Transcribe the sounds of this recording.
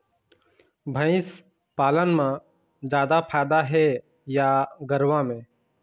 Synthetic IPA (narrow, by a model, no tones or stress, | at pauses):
bʱə̃ɪ̃s | paːlənmã | d͡ʒjaːd̪apʰaːd̪aɦɛ | jaɡəɾʋãmẽː